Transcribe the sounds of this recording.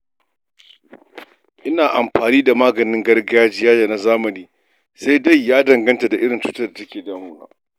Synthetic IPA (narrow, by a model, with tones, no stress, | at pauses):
ʔɪ˦naː˨ʔa˨mɸaː˨niː˦da˨maː˦ɡɐ˨nɪ˦ŋɡɐ˦rɡa˦aː˦d͡ʒɪ˦jaː˦ja˨na˦zaː˦mɐ˨niː˦ | sa˦jda˦˨jːaː˦dɐ˨ŋɡɐ˦nta˨da˨ʔɪ˦ɽɪ˨nt͡ʃuː˦tɐ˦da˨tɐ˦kʲeː˨da˨˦a˦ŋʊ˦na̰ː˦